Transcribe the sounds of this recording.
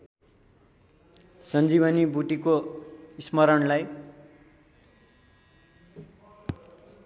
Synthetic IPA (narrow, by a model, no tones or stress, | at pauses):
sʌnd͡ziβʌnibuʈikoismʌɾʌnlaj